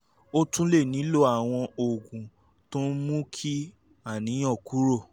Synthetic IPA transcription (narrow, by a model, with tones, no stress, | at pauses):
o˦tũ˦le˦˨nĩ˨˦lo˦a˦˨w̃ɔ̃˧o˨ɡũ˨ | tõ˦n˦mũ˦kʰi˦ | a˦˨nĩ˨˦j̃ɔ̃˦˨ku˨˦ɾo˦˨